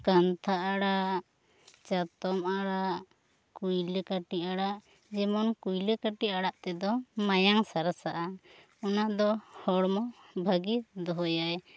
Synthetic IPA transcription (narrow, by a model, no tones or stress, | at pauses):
kant̪ʰaʔaɽa | t͡ʃat̪ɔmaɽaʔ | kujlekaʈiʔaɽaʔ | d͡ʒɛmɔnkujlekaʈiʔaɽaʔt̪ɛd̪ɔmajaŋsaɾasaʔa | ɔnad̪ɔhɔɽmɔ | bʱaɡid̪ɔɦɔjaj